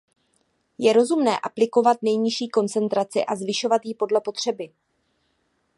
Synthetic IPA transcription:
jɛɾo̞zumnɛːʔaplɪko̞vat̪nɛjɲɪʃiːko̞nt͡sɛnt̪ɾat͡sɪ̰ʔazvɪʃo̞vat̪jɪpo̞dlɛpo̞t̪r̝̥ɛbɪ

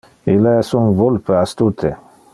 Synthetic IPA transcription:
ilesunvolpəast̪ut̪ʰe

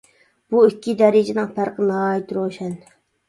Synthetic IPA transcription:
b̥uikʲʰːid̪ɛɾɪd͡ʒɪnɨŋpʰæɾqənɑɑːit̪ɾoʃɛn

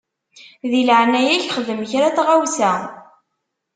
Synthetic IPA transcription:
ðilʕnæjæçχəðəmçɾat͡sʁawsæ

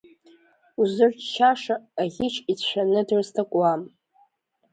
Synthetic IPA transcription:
uzɨrʷᶣt͡ʃʰaʂaːʁʲɪt͡ʃʰʼit͡ɕʷᶣanɨdrstʰakʷʼwam

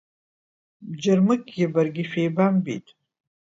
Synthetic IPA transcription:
bd͡ʒarmɨkʼɡʲɪbarɡʲiʃᶣejbambḭtʼ

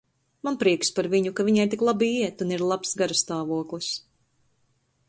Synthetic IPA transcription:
manpɾiɛkspaɾviɲukaviɲajt̪iklˠabiiɛt̪uniɾlˠapsɡaɾast̪aːvuɔklˠɨs

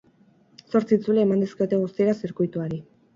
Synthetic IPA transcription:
so̞ɾt͡siːt͡sule̞ːmand̪eskeo̞t̪e̞ɣust̪ieɾasiɾkujt̪uaɾi

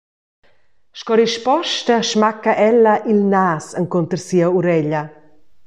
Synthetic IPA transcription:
ʃkɔɾiʃpɔʃt̪ɐʃmakaʔɛlːɐʔilnasəŋkont̪əɾsiɐuɾɛʎɐ

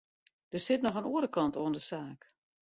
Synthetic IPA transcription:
d̥ərsɪtnɔxənoːəɾəkɑntoəndəsaːk

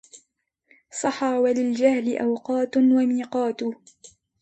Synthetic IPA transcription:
sˤɑħɑwalɪld͡ʒahlɪʔawqɑːt̪wamiːqɑːt̪ʊ

